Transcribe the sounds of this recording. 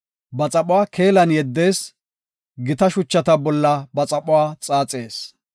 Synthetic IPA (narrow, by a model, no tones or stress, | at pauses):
bɐt͡sʼɐpʼʊwaːkʰe̞ːlɐnjɛd̪ːe̞ːs | ɡɪt̪ɐʃʊt͡ʃːɐt̪ɐbɔlːɐbɐt͡sʼɐpʼʊwaːt͡sʼaːt͡sʼeːs